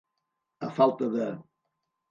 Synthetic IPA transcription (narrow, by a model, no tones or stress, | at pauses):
əfalˠt̪əðə